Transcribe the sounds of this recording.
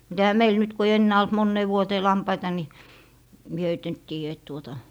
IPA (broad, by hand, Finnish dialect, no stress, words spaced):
mut ehæ meil nyt ku ei enːæː olt monːeː ʋuoteː lɑmpɑitɑ ni mie høit nyt tiːjæ et tuotɑ